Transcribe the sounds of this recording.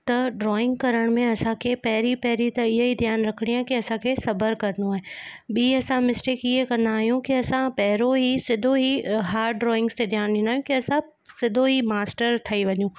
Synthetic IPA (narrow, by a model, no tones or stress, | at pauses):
t̪ɐɖɾɔːɪ̃ŋɡkɐɾəɽ̃mẽɐsãkʰepɛɦɪɾipɛɦɾit̪ɐɪɦeɦid̪ʱjaːnɾɐkʰɽ̃ijaːɦẽkiɐsãkʰesɐbəɾkɐɾnoaːɦẽɓiːɐsãmɪsʈeːkɪɦekɐ̃nd̪aːɦjũkiɐsãpɛɦɪɾoɦisɪd̪ʱoɦiɦaːɾɖɾɔːɪ̃ŋɡst̪ed̪ʱjaːnĩnd̪aːɦjũkiɐsã | sɪd̪ʱoɦimaːsʈəɾt̪ʰɐiʋɐɲũː